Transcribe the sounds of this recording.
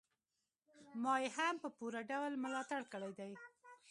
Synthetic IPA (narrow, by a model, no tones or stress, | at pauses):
mɑjehampəpuɾaɖawlmʊlɑt̪aɽkəɽajd̪aj